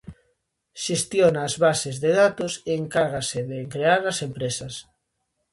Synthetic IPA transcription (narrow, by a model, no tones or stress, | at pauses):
ʃest̪jonaːzβasezðeðat̪oseːŋkaɾɣaseðeŋkɾeaɾɐsempɾesɐs